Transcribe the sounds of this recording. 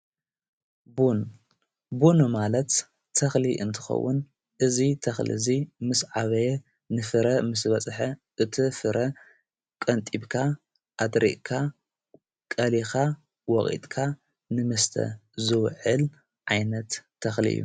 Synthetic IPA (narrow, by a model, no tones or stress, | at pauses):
bun | bunumalɐt̪ʰː | ɐxliʔɨnt̪ʰɨ̥xɐ̰wːʊn | ʔɨzit̪ʰɐxlḭzimɨsʕaβɐjɛ | nɨfɨɾɐmɨsbɐt͡sʼħɐʔɨt̪ʰifɨɾʔɐ | kʼɐnt̪ʼibkʰa | ʔad̪ɾḭʔkʰa | kʼɐlixa | wɔχʼḭt̪ʼkʰa | nɨmɨst̪ʰɐ̰zɨwʕɨl | ʕajnɐt̪ʰː | ɐxlḭʔɨ̰jːṵ